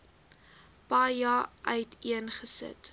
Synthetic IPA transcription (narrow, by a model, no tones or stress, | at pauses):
pɑːjɑːʔœɥtʰiənχəsə̰t